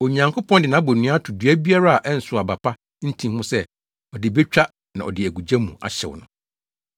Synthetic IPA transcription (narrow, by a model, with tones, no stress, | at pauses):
o˨ɲã˨ŋkʰo˦pʰɔ̃˦ndɪ˨nã˨˦bo˨nũ˦a˦tʰʊ˨dɥæ˦bi˦a˦ɾa˦a˨ʔɛ˦n̩˨sʊ˨a˨ba˨pʰa˦ | n̩˦tʰĩ˦˨mhʊ̃˦sɛ˦ | ɔ˨dɪ˨be˦t͡ɕᶣa˦ | nã˨ɔ̰˨dɪ˨æ˨ɡu˨d͡ʑæ̃˦mũ˨a̰˨ɕɛ̰˨w̰nʊ̰̃˨˦